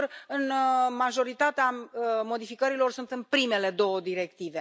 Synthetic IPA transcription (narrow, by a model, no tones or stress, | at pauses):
rɨnmaʒo̞ɾit̪at̪eamo̞d̪ifikəɾilo̞rsunt̪ɨnpɾime̞le̞d̪o̞wəd̪iɾek̚t̪ive̞